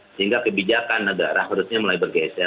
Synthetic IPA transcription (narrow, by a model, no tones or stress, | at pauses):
səɦiŋɡakəbid͡ʒakanːəɡa̰ɾaɦuɾusɲaməlaibərɡasa